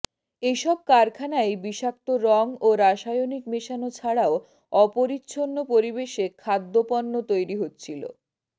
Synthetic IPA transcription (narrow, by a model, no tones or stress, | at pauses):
eʃɔb̚kaɾkʰanaebiʃak̚t̪oɾɔŋoɾaʃajonikmeʃanot͡ɕʰaɽao | ɔpoɾitːɕʰonːopoɾibeʃekʰad̪ːopɔnːot̪ojɾiɦot̪ːt͡ɕʰilo̰